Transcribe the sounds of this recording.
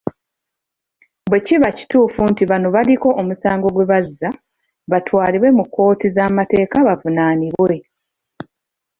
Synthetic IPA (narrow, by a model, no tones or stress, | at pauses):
bwe̞ciβaci̥tuːfuntiβano̞βaliko̞ʔomusaːŋɡo̞ɡwe̞βazːa | βatʰwaːliβwe̞mukːo̞ːtizaːmate̞ːkaβavunaːniβwe̞